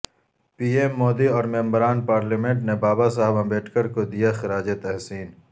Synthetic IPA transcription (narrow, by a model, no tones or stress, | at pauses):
piːemːoːd̪iɔːɾmẽmbɾaːnpaːɾlimẽɳʈnebaːbasaɦbãbeːʈkəɾkod̪ijaxɪɾaːd͡ʒet̪ɛɦsiːn